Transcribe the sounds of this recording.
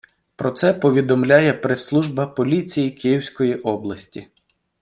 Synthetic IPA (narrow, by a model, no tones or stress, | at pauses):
pɾɔt̪sɛpɔʋʲid̪ɔmlʲajɛpɾeslˠuʒbɐpɔlʲit͡sʲijikijiwsʲkɔjiʔɔblˠɐsʲtʲi